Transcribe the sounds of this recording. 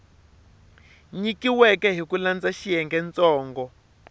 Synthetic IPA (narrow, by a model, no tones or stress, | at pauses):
ɲikiwɛkɛɦikuland͡zaʃijɛŋɡɛnt͡sɔːŋɡɔ